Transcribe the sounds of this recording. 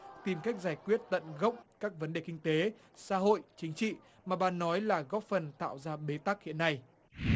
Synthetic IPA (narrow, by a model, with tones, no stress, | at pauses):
t̪i˨˩mka˦˥jk̚zaː˧˩jkwi˦˥ət̚t̪ə̰˧˨nɣə̰˦˥wŋ͡mkaː˦˥k̚və˨˦nɗe˨˩kï˧ŋ̟t̪e˨˦ | sa̰ː˧˥ɦo̰˧˨jt͡ɕï˨˦ŋ̟t͡ɕḭ˧˨ | maː˨˩ɓaː˨˩nːɔ˨˦jlaː˨˩ɣɔ˦˥p̚fə˨˩nt̪a̰ː˧˨wzaː˧ɓe˨˦t̪a˦˥k̚hḭ˧˨ənːa˧j